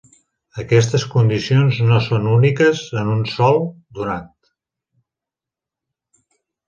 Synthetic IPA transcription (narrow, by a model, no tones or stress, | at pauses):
əkɛst̪əskund̪isionznosonunikəzənunsɔlˠ | d̪unat̪